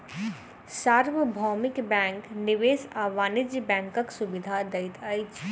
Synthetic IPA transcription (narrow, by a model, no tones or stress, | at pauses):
saːɾʋəbʱɔːmɪkbɛ̃ːŋknɪʋeːsaːʋaːnɪd͡ʒbɛ̃ːŋkəksʊbɪd̪ʱad̪ɐɪt̪ʰɐjt͡ʃ